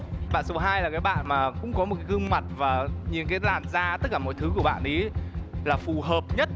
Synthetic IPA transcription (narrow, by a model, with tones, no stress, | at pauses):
ɓa̰ː˧˨nso˨˦ɦaː˧jlaː˨˩kaː˨˦jɓa̰ː˧˨nmaː˨˩kʊ̰˧˥ŋ͡mkɔ˨˦mo˨˩t̚kaː˨˦kɨ˧ŋma˨˩t̚vaː˨˩ɲi˨˩nkaː˨˦laː˨˩mzaː˧t̪ə˦˥t̚kːaː˧˩mɔ̰˧˨t̪ʰɨ˨˦ku˧˩əɓa̰ː˧˨nʔi˨˦laː˨˩fu˨˩ɦəː˨˩p̚ɲə˦˥t̚